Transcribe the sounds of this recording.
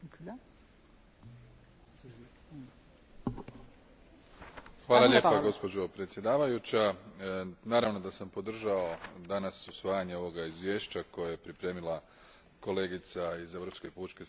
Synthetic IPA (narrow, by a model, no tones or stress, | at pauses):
xʋaːlˠaʎe̞ːpaɡo̞spo̞d͡ʑo̞pɾe̞t̪sje̞d̪aːʋajut͡ɕa | naːɾaʋno̞d̪asampo̞d̪r̩ʒao̞d̪anasusʋaːjaɲeo̞ʋo̞ɡaizʋje̞ːʃt͡ɕako̞jajepɾipɾe̞ːmilˠa | ko̞le̞ɡit̪saize̞vɾopske̞put͡ʃke